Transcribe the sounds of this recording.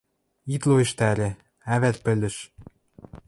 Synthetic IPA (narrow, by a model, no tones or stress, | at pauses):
it̪loĕʃt̪ælʲĕ | æβæt̪̚pɘ̆lʲɘ̆ʃ